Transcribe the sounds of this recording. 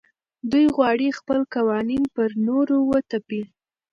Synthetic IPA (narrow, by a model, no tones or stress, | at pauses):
d̪ujɣwɑɽixpəlkawɑninpəɾnoɾowət̪api